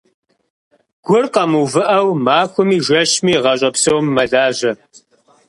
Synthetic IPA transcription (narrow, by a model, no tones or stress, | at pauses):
ɡ̥ʷʊrqɐmuvɨʔɐwmaːxʷʊmiːʒʷɐʃmiːʁɐɕʼɐpsowmːɐɮaːʑɐ